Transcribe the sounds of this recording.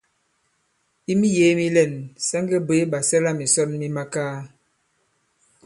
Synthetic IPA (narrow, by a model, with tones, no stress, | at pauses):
i˦mi˦je˨˦mi˦lɛ˦˨nsa˦ŋɡe˦be˨˦ɓa˨sɛ˦la˦mi˨sɔ˦˨nmi˦ma˦kaː˦